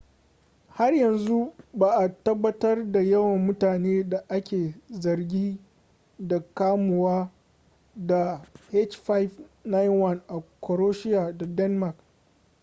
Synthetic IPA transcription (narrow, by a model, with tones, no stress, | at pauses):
ha˦rjɐ˨nzu˦baː˨ʔa˨tɐ˦bːɐ˦tɐ˦rda˨jɐ˦wɐ˨mːʊ˦taː˨neː˦da˨ʔa˦kʲeː˨zɐ˨rɡʲiː˦ | da˨kaː˦mʊ˨waː˦ | da˨he˦t͡ʃɸa˦jfna˦jnwɐ˦nʔa˨kɔ˨ɾoː˦ʃɪ˦ja˨da˨dɛ˦nma˨k